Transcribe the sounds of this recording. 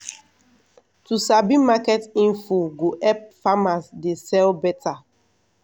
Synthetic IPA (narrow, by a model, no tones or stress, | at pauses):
tusabimakɛtĩnfuɡoʔɛp̚famasdesɛlbɛtʰa